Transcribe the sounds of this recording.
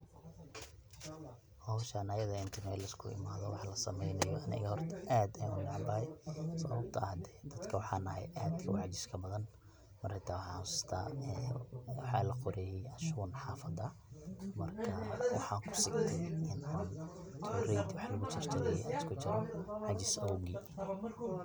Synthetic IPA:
hɔwʃɐnɐjɐðɐɪnt̪ʰɐmɛːlɐskʰʊ̰ɪ̰maːðɔwɑħlɐsɐmɛjnɐjɔʔɐnɪ̰ɣhɔrt̪ʰɐʔaːd̪ɐjʊnaʕmbɐhɛjsɔβɐb̚t̪ʰɐhd̪ɛ̥d̪ɐd̪kʰɐwɑħɑːnɐɦɛ̰jʔaːd̪kʰɐwɑʕd͡ʒɪskʰɐbɐðɐn | mɐrhɪt̪ʰaːwɑħɑ̰ʊsɪ̥t̪ʰa̰ːɛːwɑħɑ̰ːlɐqɔɾɛːjɛɐʃuːnħɑːfɐd̪ɐ | mɐrkʰɐwɑ̰ħɑːkʰʊ̥sɪɡnʰɛɪnʔaːn | t̪ʰuːrɛjd̪wɑħlɐɣʊt͡ʃʰɪrt̪ʰɪlɛjɛ̰skʰʊt͡ʃɪɾɐħɑt͡ʃɪsɐðʊɡiː

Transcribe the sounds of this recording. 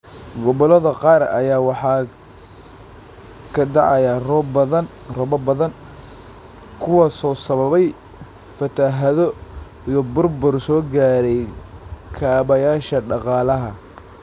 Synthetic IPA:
ɡɔβɔlɐðɐqɑːrɐ̰jaːwɑħɑː | kʰɐd̪ɑʕɑjɐrɔbɐðɐn | rɔβɐbɐðɐn | kʰʊwɑsɔːsɐβɐβɛj | fɐt̪ʰɐɦɐðɔ | ijɞbʊrbʊrsɔːɡaːɾɛjkʰaːβɐjaːʃɐɖɑqɑːlɐɦɐ

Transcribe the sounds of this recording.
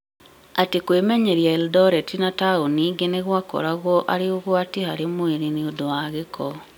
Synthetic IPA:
atekwemɛɲeɾjaɛldɔɾɛtinataoniɡeneɣwakɔ̰ɾaɣwɔʔaɾeoɣwatehaɾemoeɾiniodowaɣekɔ

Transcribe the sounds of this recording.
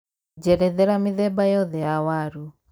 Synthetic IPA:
d͡ʒɛɾɛðɛɾamiðɛbajɔðɛawaɾu

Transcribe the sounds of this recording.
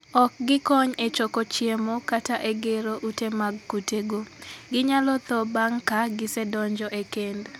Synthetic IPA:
ɔk̚ɡɪkɔɲet͡ʃɔkot͡ʃjemokataʔeɡeɾoʔutemaɡkuteɡoɡɪɲalɔt̪ɔbaŋkaɡɪsɛdɔɲd͡ʒɔʔekend

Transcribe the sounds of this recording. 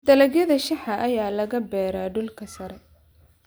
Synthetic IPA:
d̪̥ɐlɐɣjɐðɐʃɑħɐʔɐjaːlɐɣɐbɛːɾaːɖʊlkʰɐsɐɾɛ

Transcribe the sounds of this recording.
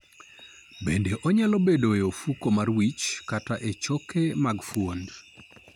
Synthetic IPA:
bendeʔɔɲalobedojofukomarwit͡ʃkataʔet͡ʃokemaɡfwond

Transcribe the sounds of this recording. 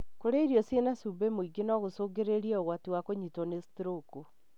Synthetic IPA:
koɾeiɾjɔsienasubemoiɡenɔɣosoːɡeɾeɾiɛoɣwatiwakoɲitɔnesi̥tɾoko

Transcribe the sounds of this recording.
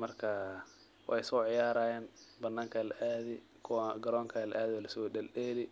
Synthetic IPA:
mɐrkʰɐ | wʔɑ̰jsɔːʕɪjaːɾaːjɛːnbɐnːaːŋkʰɐlɐʔaːðɪ | kʰʊwɡɐɾɔːŋkʰalɐʔaːðɪɔlɐsɔdɛlɗɛːlɪ

